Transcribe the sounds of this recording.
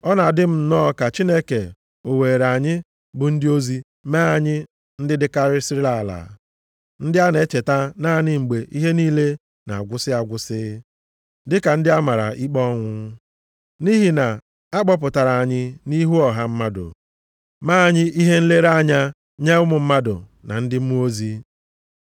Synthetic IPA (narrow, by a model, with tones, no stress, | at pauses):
ɔ˦na˨dɪ˦m̩˦nɔː˦˨ka˨t͡ʃi˦ne˦ke˨ | o˨weː˨ɾa˨ɲɪ˦ | bʊ˨n̩˦dɪ˦o˦zi˦ | maː˦˨ɲɪ˦ | n̩˦dɪ˦dɪ˦ka˦ɾɪ˦si˦ɾi˦la˨la̰˨ | n̩˦dɪ˦a˦ne˦t͡ʃe˨ta˦na˦nɪ˦ŋ͡m̩˨ɡ͡be˨ʔi˦ɦe˦niː˦le˦ | na̰˨a˨ɡʷʊ˦sɪ˦a˨ɡʷʊ˦sɪ˦ | dɪ˦ka˨n̩˦dɪ˦a˦ma˨ɾa̰˨ʔi˦k͡pɔ˦ŋʷʊ˦ | ni˦ɦi˨na˨ | a˦k͡pɔ˦p̬ʊ˨ta˨ɾa˨a˨ɲɪ˦ni˦ɦu˦ɔ˨ɦa˦m̩˦ma˦dʊ̰˨ | maː˦˨ɲɪ˦ʔi˦ɦe˦n̩˦le˦ɾa˦ɲa˦ | ɲe˦ʊ˦mʊ˨m̩˦ma˦dʊ̰˨na̰˨n̩˦dɪ˦m̩˦mu˦o˦zi˦